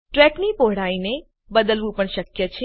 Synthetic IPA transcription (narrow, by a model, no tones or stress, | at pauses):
ʈɾɛknipoɦɽ̤aine | bəd̪əlʋũpəɳʃəkjət͡ʃʰe